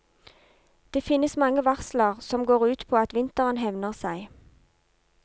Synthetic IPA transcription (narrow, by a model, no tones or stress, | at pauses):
d̪̥eːfɪnːəsmɑŋəʋɑʁsləʁsɔmɡoːʁʉːt̪pʰoːɑt̪ʋɪnt̪əʁənhɛʋnəʁsæɪ